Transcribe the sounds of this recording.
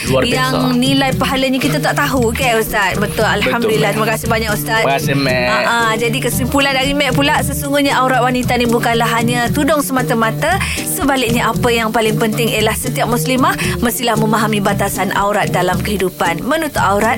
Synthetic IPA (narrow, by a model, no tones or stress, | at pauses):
jaŋnilajpaɦalaɲakit̪at̪aʔt̪aɦukaust̪at̪̚bət̪ʊlalhamdulilːaht̪ɾimakasɪhbaɲakust̪at̪ɛaʔad͡ʒadikəsimpulandaɾimɛʔ̚pulasəsuŋɡuhɲaʔauɾat̪̚wanit̪anibukanlaɦaɲat̪udɔŋsəmat̪amat̪a | səbalɪk̚ɲaʔapəjaŋpalɪŋpənt̪ɪŋiəlahsət̪iap̚muslimahməst̪ilahməmaɦamĩbat̪asanʔa̰wɾat̪̚dalamkəɦidupanmənut̪uʔauɾat̪̚